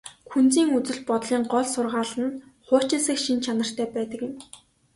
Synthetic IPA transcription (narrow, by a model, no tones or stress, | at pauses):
xunt͡siːŋut͡sɘ̆ɮpɔt̪ɮiːŋɢɔɮsʊrʁaːɮə̆nχʊːt͡ɕɪ̆sɘ̆kʃint͡ɕʰanə̆r̥t̪ʰœːpæːt̪ə̆kjɪ̆m